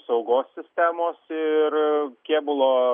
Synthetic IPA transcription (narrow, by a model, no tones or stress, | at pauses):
psɐʊɡoːsʲsʲɪsʲt̪ʲæːmoːsɪrkʲeːbʊlˠoː